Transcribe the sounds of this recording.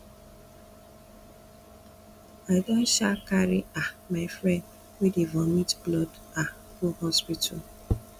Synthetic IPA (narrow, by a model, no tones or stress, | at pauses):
aɪdɔn̩ʃakaɾɪamaɪfɾɛ̃nd | wedevɔmitblɔd | a | ɡohɔspitʰa̰l